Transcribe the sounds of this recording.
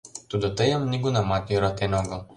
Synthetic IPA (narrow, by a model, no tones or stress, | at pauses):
t̪ud̪ɔt̪əjamniɡunamat̪juɾat̪ɛnɔɡɔ